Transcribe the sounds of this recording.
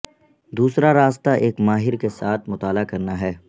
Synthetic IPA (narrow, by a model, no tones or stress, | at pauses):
d̪uːsɾaɾaːst̪aʔeːkmaːɦɪɾkesaːt̪ʰmʊt̪aːlakɐɾnaɦɛː